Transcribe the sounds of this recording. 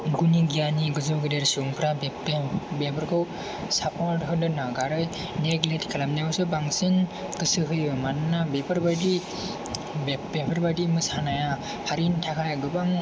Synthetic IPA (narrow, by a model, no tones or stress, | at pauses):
ɡuniɡijaniɡɯzɔɡɯdeɾsɯŋpʰɾab | bepɯɾkʰɯw | sapʰɔɾtɦɯdɯnaɡaɾɯj | neɡletkʰalamniwsɯbaŋsɯn | kɯsɯɦɯjɯmanɯnabepʰaɾbadi | bbepʰaɾbadimɯsanaja | haɾintʰakʰajɡɯbaŋ